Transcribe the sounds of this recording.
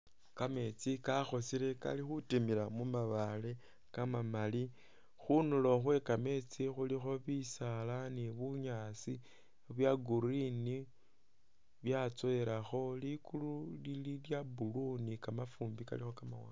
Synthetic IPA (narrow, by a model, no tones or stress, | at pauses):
kame̞t͡sikaxo̞sile̞ka̰lixutimilamumaβale̞ | kamamali | xunulo̞xwe̞kame̞t͡sixulixo̞βisalaniβuɲasi | βjaɡuɾini | βjat͡soeɾaxo̞likululililjabulunikamafuːmbika̰lixo̞kamawa